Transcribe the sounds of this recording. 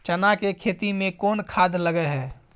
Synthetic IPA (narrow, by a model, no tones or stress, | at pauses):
t͡ʃənakekʰet̪imẽkoːnkʰad̪ʱləɡɛɦɛː